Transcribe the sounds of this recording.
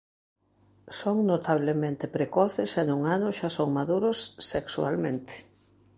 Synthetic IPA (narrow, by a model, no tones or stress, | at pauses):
soŋnot̪aβ̞lemẽnt̪ɪpɾekɔθɪsɛnuŋanʊʃasoŋmaðuɾʊsːeksua̰lmẽnt̪ɪ̥